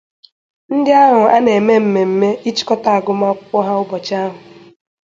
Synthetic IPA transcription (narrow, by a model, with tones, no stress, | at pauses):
n̩˦dɪ˦a˦ɦʊ˨a˦ne˨me˦m̩˨me˨m̩˨me˦i˦t͡ʃi̥˦kɔ˦ta˨a˨ɡʊ˦ma˦kɔ˦ɦa˦ʊ˦bɔ˨t͡ʃa˦ɦʊ˨